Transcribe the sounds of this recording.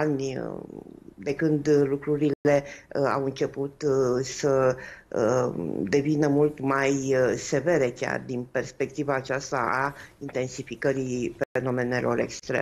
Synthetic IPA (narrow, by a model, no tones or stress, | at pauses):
anʲ | d̪e̞kɨnd̪lukɾuɾile̞a̰wɨnt͡ʃe̞put̪səəd̪e̞vinəmult̪majse̞ve̞ɾe̞kʲa̰rd̪inpe̞rspe̞k̚t̪ivaːt͡ʃast̪a̰ʔaint̪e̞nsifikəɾifeno̞me̞ne̞lʔo̞̰ɾe̞̰kst̪ɾḛ